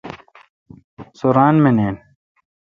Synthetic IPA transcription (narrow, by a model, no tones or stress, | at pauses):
soɾaːnmeneːn